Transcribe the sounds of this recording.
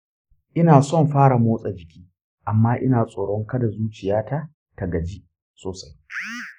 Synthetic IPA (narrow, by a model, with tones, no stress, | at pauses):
ʔɪ˦naː˨sɔ˦˨mɸaː˦ɽa˨moː˦sʼa˨d͡ʒɪ˨kʲʰiː˦ | ʔa˨mːaː˦ʔɪ˦naː˨sʼoː˨ɽɔ˦ŋkɐ˦da˨zuː˦t͡ʃɪ˨jaː˦ta˦ | ta˨ɡɐ˨d͡ʒi˦ | soː˨sa˦j